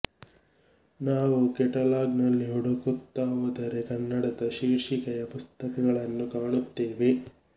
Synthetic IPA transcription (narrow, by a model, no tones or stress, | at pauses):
naːʋukɛʈɐlaːɡnɐlːiɦuɽɐkut̪ːaːʋɐd̪ɐɾekɐnːɐɽɐd̪ɐʃiːɾʂikɐjɐpust̪ɐkɐɡɐɭɐnːukaːɭut̪ːeːʋe̞